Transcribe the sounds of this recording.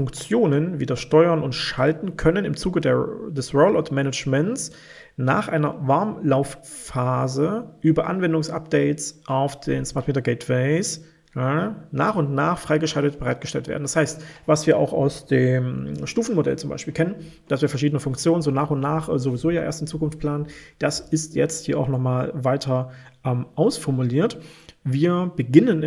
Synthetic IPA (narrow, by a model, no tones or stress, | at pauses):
fʊŋkt͡sjoːnənviːdɐʃtɔʏɐnʊntʃaltn̩kʰœnənɪmt͡suːɡədḛːɐdɛsʁolʔaʊtmɛnət͡ʃmɛnts | naːχʔaɪnɐ̰vaɐmlaʊf | faːzəʔyːbɐʔa̰nvɛndʊŋsʔa̰p̚d̥ɛɪtt͡sʔaʊfd̥eːnsmaɐtmeːtɐɡɛɪtv̥ɛɪs | na̰ːχʊntnaːχfʁ̥aɪɡəʃaltətb̥əʁaɪt̚ɡ̥əʃtɛ̰ltvḛɐdn̩d̥ashaɪstvasv̥iːɐʔa̰ʊxa̰ʊsd̥eːmʃtuːfn̩modɛ̰lt͡sʊmba̰ɪʃpiːlkʰɛnən | d̥asv̥iːɐfɛɐʃiːdənəfʊŋkt͡sjoːnənzoːnaːχʊntnaːχʔɛzovizoːjaːʔḛːɐstɪmt͡suːkʊnftpl̥aːnənd̥asɪstjɛ̰t͡sthiːɐa̰ʊxnɔχmaːlvaɪtʰɐʔɛmʔaʊsfɔɐmuliːɐtviːɐbəɡɪnən